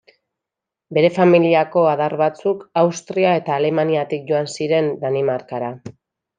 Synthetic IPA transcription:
be̞ɾe̞familiako̞aðaɾβat͡sukawst̪ɾiae̞t̪aːle̞maniat̪ik̚ʝo̞ansiɾe̞nd̪animaɾkaɾa

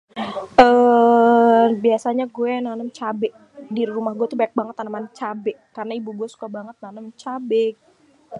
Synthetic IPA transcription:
ʔə | biasaɲaɡuɛnanəmt͡ʃabɛʔ | diɾumahɡuɛt̪ubaak̚baŋət̪anəmant͡ʃabɛʔkarnaibuɡuɛsu̥kabaŋət̪̚nanəmt͡ʃabɛk̚

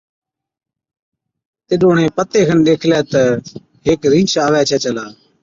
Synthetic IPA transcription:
t̪ɪɗoːɳẽːpət̪eːkʰənɗ̪eːkʰlɛːt̪ə | ɦɪkɾĩːt͡ʃaːʋɛːt͡ʃʰɛːt͡ʃəlaː

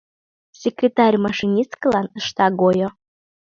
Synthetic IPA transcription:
sʲekrʲet̪ɑrʲmɑʃinʲiskə̆lɑnəʃt̪ɑɡojo

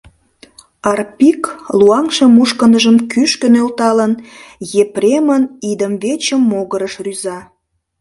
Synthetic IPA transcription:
ɑrpikluɑŋʃəmuʃkənəʒəmkyʃkənølt̪ɑlənjeprʲemənid̪əmvet͡ɕəmːoɣəɾəʃryzɑ

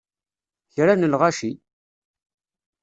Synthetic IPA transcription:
çɾanəlʁaʃi

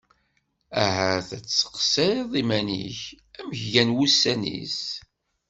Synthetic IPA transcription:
æɦæθæt͡sːə̥qseðˤimænḭç | æməçʝænwusːænḭs

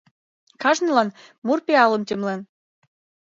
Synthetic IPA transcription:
kɑʒnɤlɑn | murpeɑlə̆mt̪ʲemlen

